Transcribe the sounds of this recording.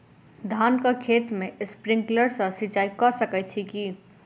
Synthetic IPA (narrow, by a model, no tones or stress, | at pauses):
d̪ʱankəkʰet̪mespɾĩŋkləɾsə̃sit͡ʃaikɔsəkɛt͡ʃʰiki